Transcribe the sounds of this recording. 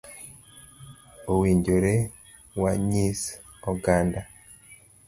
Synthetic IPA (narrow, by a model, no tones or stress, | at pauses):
owiɲd͡ʒoɾe | waɲis | ɔɡanda